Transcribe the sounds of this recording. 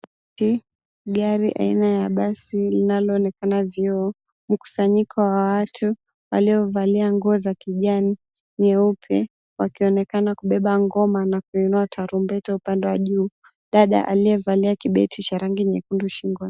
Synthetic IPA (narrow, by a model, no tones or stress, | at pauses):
ti | ɡaɾiʔa̰inajaɓasilinalɔːnɛkanaviɔ | m̩ku̥saɲikʰɔwawatu | wa̰liɔvaliaŋɡɔzakiʄani | ɲɛupʰɛ | wakiɔnɛkanakuɓɛɓaŋɡɔmanakuinuatʰaɾumbɛtaupandɛwaʄuː | ɗaɗa̰ʔa̰lijɛvaliakiɓɛtʰit͡ʃaɾaŋɡiɲɛkunduʃiŋɡɔ